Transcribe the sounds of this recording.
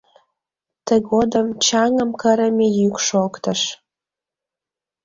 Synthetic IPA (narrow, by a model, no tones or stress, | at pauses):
t̪əɡod̪əmt͡ɕɑŋəmkəɾəmʲejykʃokt̪əʃ